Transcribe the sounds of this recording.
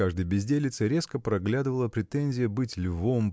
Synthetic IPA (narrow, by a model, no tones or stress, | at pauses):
aʐd̪əɨjbʲɪzʲdʲelʲɪt̪səɾʲe̞skəpɾɐɡlʲad̪ɨvəlˠəpɾʲɪt̪enʲzʲɪjəbɨtʲlʲvom